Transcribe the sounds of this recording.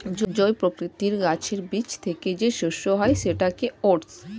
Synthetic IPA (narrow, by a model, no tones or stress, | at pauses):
d͡ʑd͡ʑɔepɾokɾit̪iɾɡat͡ɕʰeɾbit͡ɕt̪ʰeked͡ʑeʃuʃːoɦɔeʃeʈakeoɖs